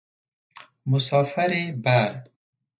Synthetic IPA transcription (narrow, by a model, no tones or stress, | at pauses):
musɔːfɐɾebaɾ